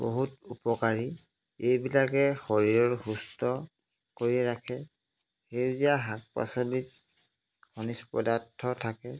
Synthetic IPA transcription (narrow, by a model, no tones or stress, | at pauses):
bo̰ɦutupɔkaɹi | ejbilakɛxoɹiɹɔɹxustɔ | koɹiɹakʰɛ | xejziaɦak̚pa̰sɔlit | hɔnispɔ̰datʰːɔtʰakɛ